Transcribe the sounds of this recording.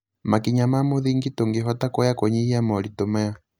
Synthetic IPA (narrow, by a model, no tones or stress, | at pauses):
makiɲamamoðiŋɡitoŋɡeɦɔtakɔjakɔɲiiamɔlitɔmɛja